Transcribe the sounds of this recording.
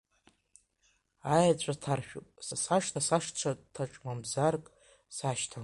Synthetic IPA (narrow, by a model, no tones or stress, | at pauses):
ajat͡ɕʷʼatʰarʃᶣṵpʼsasaʂtʰasaʂt͡ɕʷʰatʰaʈ͡ʂʼmamzarkʼ | saʃtʰa